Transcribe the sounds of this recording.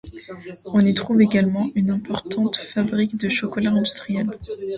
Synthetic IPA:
ɔ̃nit̪χuveɡalmɑ̃ynɛ̃pɔʁt̪ʰɑ̃t̪fabʁikd̪əʃɔkɔlaɛ̃d̪yst̪χijɛl

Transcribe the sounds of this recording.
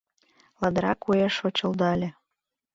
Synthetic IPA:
lɑd̪ɾɑkujeʃot͡ɕə̆ld̪ɑlʲĕ

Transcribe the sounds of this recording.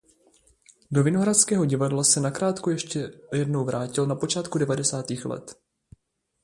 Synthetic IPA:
do̞vɪno̞ɦɾaskɛːɦo̞ɟɪvadlasɛnakɾaːt̪kujɛʃcɛjɛdno̞wvɾʔaːcɪlnapo̞t͡ʃaːt̪kudɛvadɛsaːt̪iːxlɛ̰t̪

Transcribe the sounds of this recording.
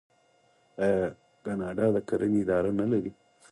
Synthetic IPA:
kanaɖaːd̪ɐkɐɾɐnɪd̪aːɾɐnɐlɐɾi

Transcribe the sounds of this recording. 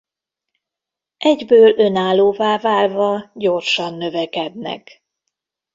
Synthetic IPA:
ʔɛɟbøːlʔø̞naːlːoːvaːvaːlvɒɟo̞rʃɒnːø̞vɛkɛd̪nɛ̰k

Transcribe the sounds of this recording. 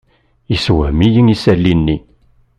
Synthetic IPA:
iswəhmijəŋisælːinːi

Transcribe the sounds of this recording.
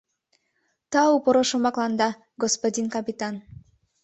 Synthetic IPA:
t̪ɑupoɾoʃomɑklɑnd̪ɑ | ɡospod̪ʲinkɑpʲit̪ɑn

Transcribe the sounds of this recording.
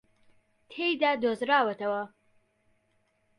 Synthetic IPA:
t̪ʰejd̪aːd̪ozɾaːwɐt̪ɐwɐ

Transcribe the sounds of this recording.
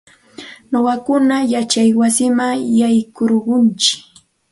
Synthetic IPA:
noɢɑkʊnajat͡ʃajwasɪmaŋjajkoɾɢʊnt͡ʃɪ̥

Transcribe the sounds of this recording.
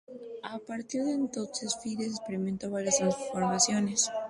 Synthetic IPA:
apaɾt̪iɾðe̞ːnt̪o̞nse̞sfiðesekspeɾiment̪o̞βaɾjasiɱfoɾmasjo̞ne̞s

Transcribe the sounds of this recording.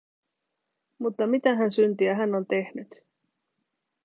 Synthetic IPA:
mut̪ːɑmit̪æɦænsynt̪iæɦænːo̞nt̪e̞hnyt̪

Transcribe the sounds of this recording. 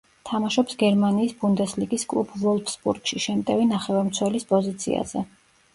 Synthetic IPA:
t̪ʰamaʃɔpsɡɛɾmaniːsbund̪ɛsliɡiskʼlˠṵpʰvɔlˠfsbṵɾɡ̥ʃiʃɛmt̪ʼɛvinaχɛvamt̪sʰwɛlispʼɔzit̪sʰḭa̰z̥ɛ

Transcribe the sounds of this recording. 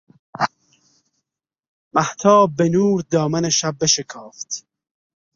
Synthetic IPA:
maht̪ʰɑːbːenuːɾd̪ɔːmɐneʃab̚ːeʃekʰɑːft̪

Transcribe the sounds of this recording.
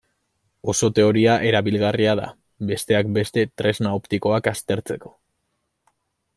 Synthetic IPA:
o̞so̞t̪e̞o̞ɾiaʔe̞ɾaβilɣariað̞a̰ | be̞st̪e̞akbe̞st̪e̞t̪ɾeznaopt̪iko̞akast̪e̞ɾt͡se̞ko̞̥

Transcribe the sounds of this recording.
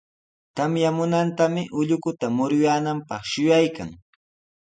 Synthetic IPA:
t̪amjamʊnant̪amɪʔʊʎʊkʊt̪amʊɾʊjaːnampɑχʃʊjajka̰ŋ

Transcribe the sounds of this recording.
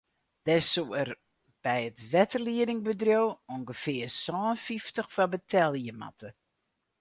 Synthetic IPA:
d̥ɛsoər | b̥ɛjətʋɛtəliədɪŋbədrjowuŋɡəfɪərsɔːnfiftəxfabətʰɛlˠjəma̰tə

